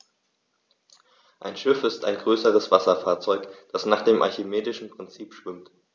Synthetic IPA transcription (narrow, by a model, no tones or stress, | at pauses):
ʔaɪnʃɪfɪstaɪnɡʁøːsəʁəsv̥asɐfaːɐt͡sɔʏkd̥asnaːχd̥eːmʔa̰ɐçimeːdɪʃn̩pʁ̥ɪnt͡siːpʃv̥ɪmt